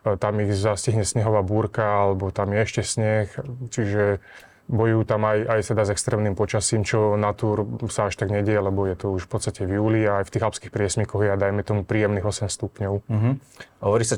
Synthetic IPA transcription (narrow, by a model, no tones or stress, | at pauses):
t̪amiɣzasciɦɲɛsɲɛɦɔʋaːbuːɾkaalɛbɔt̪amjɛɛʃcɛsɲɛxt͡ʃiʒɛ | bɔjuːt̪amajajt̪ɛd̪azɛkst̪ɾɛːmnimpɔt͡ʃasiːmt͡ʃɔnat̪uːɾsaaʃt̪aɡɲɛɟɛjɛlɛbɔjɛt̪ɔuʃfpɔt̪st̪acɛvjuːliaːjft̪iːɣapskixpɾɪɛsmikɔɣjɛad̪ajmɛt̪ɔmupɾiːjɛmniːɣɔsɛmst̪upɲɔʊɦ | ɦɔʋɔɾisa